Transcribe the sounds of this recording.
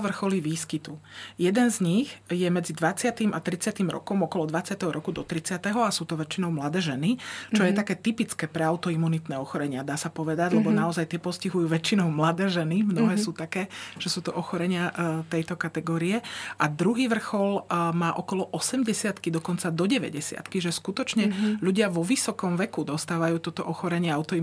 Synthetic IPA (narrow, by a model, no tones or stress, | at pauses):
ʋr̩xɔliʋiːskit̪ujɛd̪ɛnzɲixjɛmɛd͡zid̪ʋat͡sɪat̪imʔat̪ɾit͡sɪat̪imɾɔ̰kɔmɔkɔlɔd̪ʋat͡sɪat̪ɛɦɔɾɔkud̪ɔt̪ɾit͡sɪat̪ɛɦɔasuːt̪ɔʋɛt͡ʃːinɔʊmlad̪ɛːʒɛnit͡ʃɔjɛt̪akɛːt̪ipit͡skɛːpɾɛaʊt̪ɔimːunit̪nɛːɔxɔɾɛɲɪad̪aːsapɔʋɛd̪aɟlɛbɔnaɔzajt̪ɪɛpɔsciɦujuːʋɛt͡ʃːinɔʊmlad̪ɛːʒɛnimnɔɦɛːsuːt̪akɛːʒ̥ɛsuːt̪ɔʔɔxɔɾɛɲɪat̪ɛjt̪ɔkat̪ɛɡɔːɾiɛʔad̪ɾuɦiːʋr̩xɔlmaːʔɔkɔlɔʔɔsɛmɟɛsɪat̪kid̪ɔkɔnt͡sad̪ɔɟɛʋɛ̰ɟɛsɪa̰t̪kiʒɛskut̪ɔt͡ʃɲɛʎuɟɪaʋɔʋisɔkɔmʋɛkud̪ɔst̪aːʋajuːt̪ɔt̪ɔʔɔxɔɾɛɲɪɛaʊt̪ɔi